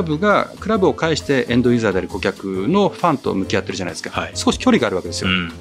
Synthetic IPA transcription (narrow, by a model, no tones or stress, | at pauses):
bɯ̟ɡakɯ̟ɾabɯ̟o̞kaiɕi̥t̪e̞ʔẽ̞nd̪o̞izaːd̪eaɾiko̞kʲakɯ̟no̞ɸãnt̪o̞̰mɯ̟kʲiat̪ːe̞ɾɯ̟d͡ʑana̰id̪sɨ̥kasɨ̥ko̞ɕi̥kʲo̞ɾʲiɡaːɾɯ̟βake̞d̪esɨjo